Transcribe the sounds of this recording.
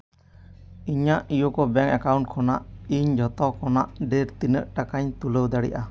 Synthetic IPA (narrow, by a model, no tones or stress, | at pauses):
iɲaʔijokɔbɛŋɛkawɳʈ̚kʰɔnaʔiɲd͡ʒʱɔt̪ɔkʰɔnaʔɖeɾt̪inəʔʈakaɲt̪uləwd̪aɽḭʔa